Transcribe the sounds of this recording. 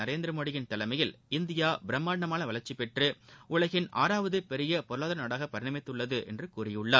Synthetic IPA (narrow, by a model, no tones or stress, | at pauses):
ɐɾeːnd̪ɪɾɐmoːɽɪjɪnt̪ɐlɐmɐjɪlɪnd̪ɪjaːbɪɾɐmːaːɖɐmaːnɐʋɐlɐɾt͡ʃːɪpɛʈrɯʊɭɐɣɪnʔa̰ːɾaːʋɐðɯpɛɾɪjɐpɔɾɯɭaːðɐnɐːɽaːɣɐpːɐɾɪnɐmɪt̪ːɯɭːɐðɯʔɛ̰ndrɯkuːɾɪjɯɭːaː